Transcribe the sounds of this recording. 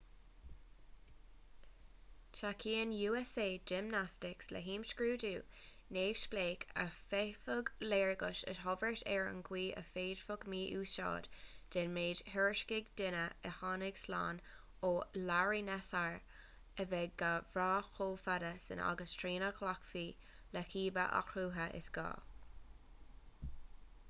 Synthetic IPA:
t͡ʃʰakʰiːənjuːɛseːd͡ʒɪmnastɪkslə̰ɦiːmʃɡɹuːduːneːv̥ʃpleːkʰə̰fefʊɡleːɹɡəʃə̰tɦɔvəɹtʰɛɹə̰nɡwiːʔə̰feːd̥fʊɡmiːʔuːsʃɑ̰ːd̥d̥ɛnmeːd̥hɛɹʃkɪɡdɪnəəhɑːnɪɡ̥sla̰ːn | oːlaɹinɛsaɹ | əvɛɡavɾaːxʰoːfadəsɪ̰na̰ɡəstʰɹiːnəkʰlakfiː | ləkʰiːbə̰ʔa̰kʰɾuːɦəʔɪ̰sɡ̥ɑ̰ː

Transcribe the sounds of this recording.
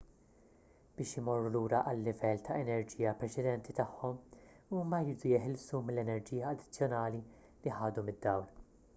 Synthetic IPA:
b̥ɪːʃɪmɔrːuluːɾɐʔɐlːɪvɛlːt̪ʰɐɛnɛɾd͡ʒiːjɐpɾɛt͡ʃɛd̪ɛnt̪it̪ɐħːɔm | uːmɐjɾiːd̪ujɪħɪlsumɪlːɛnɛɾd͡ʒijɐːd̪ɪ̥t͡sːjɔnɐːli | liħɐːd̪umɪd̪ːɐwl

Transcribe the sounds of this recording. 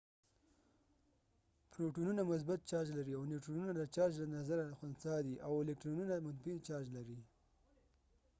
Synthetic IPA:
pɾoʈununamʊs̬bat̪̚t͡ʃɑd͡ʒlaɾiawniʈɾununad̪ət͡ʃɑd͡ʒlanazaɾaxʊnsɑd̪iʔawɪlɪk̚ʈɾonunamʊt̪bit͡ʃɑd͡ʒlaɾi

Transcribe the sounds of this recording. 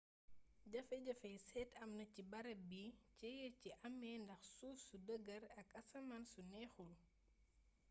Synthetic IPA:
ɟɐfɐɟɐfɛjsɛːtʰɐmnɐcibɐɾɐbicɛjɛciʔɐmːɛːndɐxsuːfsudəɡɐɾɐkɐsɐmɐnsunɛːxul

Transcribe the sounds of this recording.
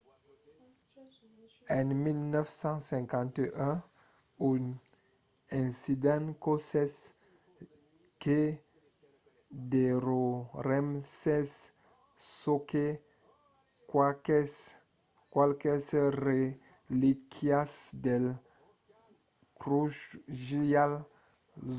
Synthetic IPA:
ɛnmilnœfsɑ̃sɛ̃ŋkɑ̃nt̪eʔɛ̃ | yn | ɛ̃sid̪ɛ̃nkosɛs | ke | d̪eɾoɾɛmsɛs | soke | kwakɛs | kwalkɛsəɾe | likʰiasd̪ɛl | kɾuʃʒijal

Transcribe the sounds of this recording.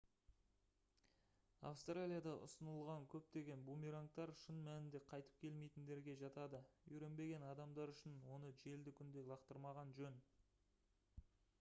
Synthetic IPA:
a̰fst̪ralʲijad̪ɑʔʊ̰sənəlˠʁɑŋkʲʰɵp̚t̪e̞ɡʲe̞nbumiɾaŋk̚t̪ɑɾʃənmænɪnd̪e̞qʰɑjt̪ə̥p̚kʲʰe̞lme̞jt̪ɪnd̪e̞ɾɡʲe̞ʒɑt̪ɑd̪əɵɾe̞nbe̞ɡʲe̞nɑd̪ɑmd̪ɑɾʏʃɪnwo̞nəʒe̞ld̪ɪkʲʰʏnd̪e̞lˠɑqt̪əɾmɑʁɑnʒɵn

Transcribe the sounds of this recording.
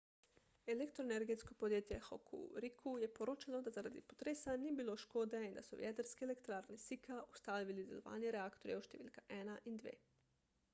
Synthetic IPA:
elekt̪ɾoeneɾɡet̪skopod̪jet̪jɛxo̰kʰṵɾikʰujɛpoɾoːt͡ʃalod̪azaɾad̪ipot̪ɾeːsaniːbiloʃkoːd̪ɛind̪a̰soʋjɛt̪aɾskeːlekt̪ɾaːɾnesikʰaʔust̪aːlʋilid̪eloʋa̰ːnjeɾeaːkt̪oɾjauʃt̪eʋḭːlkaʔɛːnaʔind̪ʋḛː

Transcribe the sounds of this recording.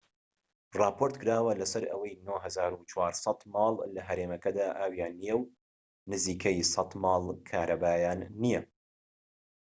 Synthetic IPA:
rˤɑːpʰoɾt̪kʰɨɾaːwɐlɐsɐɾɐ̰wɐjnoːɦɐzaːɾut͡ʃwaːɾsˤɑt̪mɑːlˠlɐɦɐɾeːmɐkɐd̪aːʔaːwjaːnːijɛw | nɨziːkʰɐjsɑt̪mɑːlˠkʰaːɾɐbaːjaːnːijɐ

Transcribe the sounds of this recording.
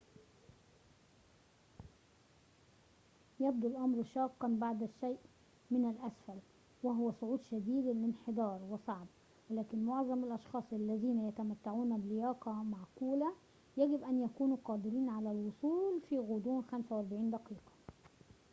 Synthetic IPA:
jæb̚d̪ulʔɑmɾʃɑːqːɑnbaʕd̪æʃːæjːʔ | mɪnælʔæsfæl | wæɦʊwæsˤʊʕuːd̪ʃæd̪iːd̪lɪnħed̪ˤɑːɾˤwɪsˤɑʕb̚ | wɪlæːkɪnmoʕzˤɑmɪlʔɑʃxɑːsˤʔalːæðiːnæjæt̪æmæt̪ːaʕuːnæbɪlɪjɑːqɑmaʕkuːlæ | jæɡɪbʔænjækuːnuːqɑːd̪ɪɾiːnʕalælwosˤuːlfiːɣod̪ˤuːnxæmsæwʔæɾˤbaʕiːnd̪ɑqiːqɑ̥

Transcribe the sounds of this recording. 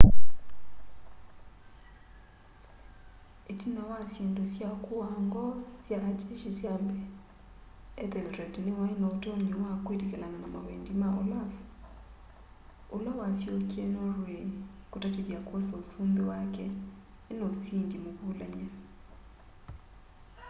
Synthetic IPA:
etinawasjendosjakuaŋɡɔsjad͡ʒeʃisjambɛ | ɛðɛldɾɛdnewainɔotoɲiwakwetekɛlananama̰wendimaolaf | olawasjokiɛnoɾweɲikotateðjakosoːsumbewakɛ | enosiːndimoβulaɲɛ

